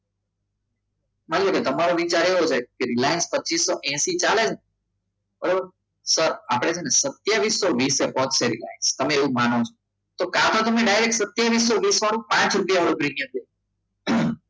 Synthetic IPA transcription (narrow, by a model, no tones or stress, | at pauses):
mãnloket̪əmaɾoʋit͡ʃaɾeɦod͡ʒekeɾɪlaːjənspətːt͡ʃisːɔʔɛ̃sit͡ʃaled͡ʒn | bəɾobəɾ | səɾaːpɽ̃ed͡ʒenesət̪jaʋiːsːɔʋiːsebɔɦt̪seɾila̰ːjənst̪əmẽeʋumaːnot͡ʃʰo̥ | t̪okãt̪ʰot̪əmẽɖaɪɾek̚sət̪jaʋiːs̬ːɔʋiːsʋaɽ̃ũpãːt͡ʃɾupijaʋəɾbɾinjə̃nd̪e